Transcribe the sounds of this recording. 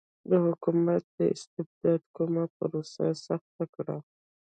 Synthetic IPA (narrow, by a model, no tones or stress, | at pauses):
d̪əhʊkumat̪̚d̪əɪ̰st̪ɪbd̪ɑd̪komapəɾosa̰saxt̪akɽa̰